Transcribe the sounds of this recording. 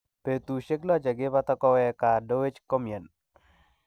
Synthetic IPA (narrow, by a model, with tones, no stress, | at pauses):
pe˨t̪u˨ʃe˦klɔ˦d͡ʒa˨ɡɪ˦ba˦t̪ɔ˦kɔ˦wɛ˦ka˨do˦we˦t͡ʃkɔ˦mje˨n